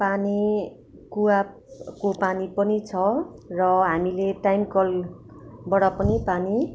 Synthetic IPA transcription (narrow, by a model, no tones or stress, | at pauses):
pani | kuwa | kopanipʌnit͡sʰʌrʌɦamileʈajmkʌl | bʌɽʌpʌnipani